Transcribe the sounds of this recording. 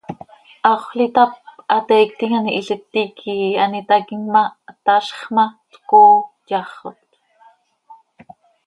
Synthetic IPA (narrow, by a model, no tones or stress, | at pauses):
ʔɑχlit̪ap̚ɑt̪ɛk̚t̪iŋaniʔiɬət̪ːikʰianit̪akiŋmat̪aʃχmat͡skoː | jɑχot̪